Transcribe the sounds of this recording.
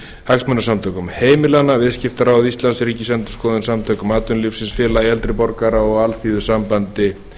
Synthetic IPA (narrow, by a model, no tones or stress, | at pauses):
haksmœnasamt̪ʰœːkʏmheːjmɪlanːavɪðscɪft̪aɾawðist̪lansɾiːcɪsɛmt̪ʏ̥skɔːðʏnsamt̪ʰœːkʏmaːt̪ʏnlifsɪnsfjɛːlajɛlt̪ɾɪpɔɾkaɾaɔɣalθiːðʏsampant̪ɪ